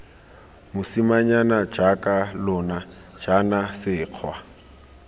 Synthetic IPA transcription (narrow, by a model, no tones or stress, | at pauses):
mʊsimaɲanad͡ʒakʼalʊnḁ | d͡ʒ̥anasɪːq͡χʰwa